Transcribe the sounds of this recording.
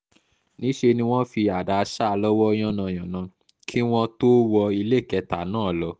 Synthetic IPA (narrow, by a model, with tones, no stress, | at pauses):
nĩ˨˦ʃe˧nĩ˧w̃ɔ̃˦fi˧a˨da˨˧ʃa˦˧lɔ˦wɔ˦j̃ɔ̃˦nã˧˨j̃ã˨nã˨˦ | kʰi˦w̃ɔ̃˦to˦wɔ˧i˧le˦˨kɛ˧ta˨nãː˦˨lɔ˨˧˦